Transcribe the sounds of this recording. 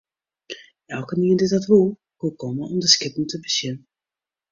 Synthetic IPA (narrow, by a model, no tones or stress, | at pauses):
ɛlˠkəniəndɪzətʋulˠ | kukɔməɔmdəskɪpn̩təbəsjɪnə